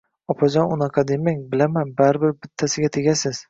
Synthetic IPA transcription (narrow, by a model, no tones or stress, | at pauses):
ɒpʰɒd͡ʒɒnʊnɑqʰɑd̪emaŋbɪlamanbaɾbɪɾbɪt̪ʰːasɪɡʲat̪ʰe̞ɡʲasɪz̥